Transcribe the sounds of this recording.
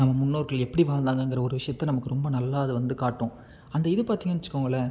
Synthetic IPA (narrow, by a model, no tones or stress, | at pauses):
nɐmːɐmʊnːoːɾɣɐɭɛpːɐɽiʋaːɾnd̪aːŋɡɐɪŋɡɪɾɐɔɾɯʋɪʂɐjɐt̪ːɐnɐmɐkːɯɾɔmbɐnɐlːaːɐðɯʋɐnd̪ɯkaːʈːõː | ɐnd̪ɐɪðɯpaːɾt̪iːŋɡɐnɪt͡ʃːɯkːoːŋɡɐɭːɐ